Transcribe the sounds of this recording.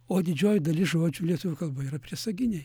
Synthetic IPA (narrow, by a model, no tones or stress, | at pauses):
oːd̪ʲɪd͡ʒʲoːjʊd̪ɐlʲɪsʒoːd͡ʒʲʊlʲiɛt̪ʊʋʲɪkɐlˠbɐiɾɐpʲɾʲiɛsɐɡʲɪnʲej